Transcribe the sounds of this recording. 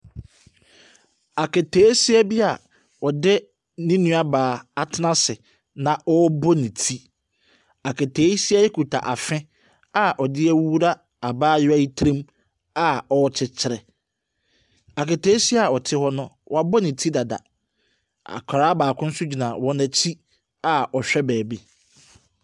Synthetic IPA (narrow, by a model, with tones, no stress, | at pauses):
a˨ke˨tʰeː˨˦si˦æ˦bi˦a˨ | ɔ˨dɪ˦ | nĩ˦nũ˦a˦baː˨a˨tʰɪ˦nã˦sɪ˨ | nã˨ʔɔ˦bɔ˦nĩ˨tʰi˦ | a˨kʰe˨tʰeː˨˦si˦a˦jɛ˦kʰu˨tʰa̰˨ʔa˨fɪ̃˦ | a˦ʔɔ˨dɪ˦ɛ˦wu˦ɾa˦ | a˨baː˦jɪ˦æ˦ji˦tʰɾĩ˦m | a˨ɔ˨ɔ˦t͡ɕʰɪ˦t͡ɕʰɪ˨ɾɛ˨ | a˨ke˨tʰeː˦si˦a˨ɔ˨tʰɪ˦hɔ˦nʊ̃˦wɔ˦˨a˨bɔ˦nĩ˨tʰi˦da˨da̰˨ | a̰˨kʰa˨ɾaː˦baː˨kʰʊ̃˦n̩˦sʊ˦d͡ʑᶣi˨nã˨wɔ̃˦nã˨t͡ɕʰi˦ | a˨ɔ˨ɕᶣɛ˦bɛː˨bi˦